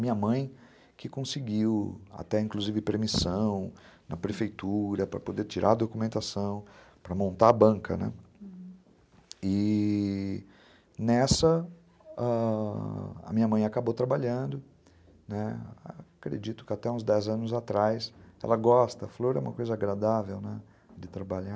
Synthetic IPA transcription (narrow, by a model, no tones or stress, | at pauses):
ɐmĩɲɐmɐ̃j̃ | kɪkõsɪɡiwa̰t̪ɛĩkluzivɪpeɾmisɐ̃w̃ | nʔɐpɾefejt̪uɾɐpɾɐpod̪eɾt͡ʃiɾʔaɐd̪okumẽnt̪asɐ̃w̃ | pɾɐmõnt̪aɐbɐ̃kɐ̰nɛ̰ | ɪ | nɛsɐ | a | ɐ̰mĩɲɐmɐ̃j̃akabowt̪ɾabaʎɐ̃nd̪ʊ | nɛa̰kɾḛd͡ʒit̪ʊkɪat̪ɛũzd̪ɛzɐ̃nʊzat̪ɾajsɛ̰lɐɡɔst̪ɐfloɾɛ̰ũmɐkojzɐaɡɾad̪avewnɛ | d͡ʒɪt̪ɾabaʎa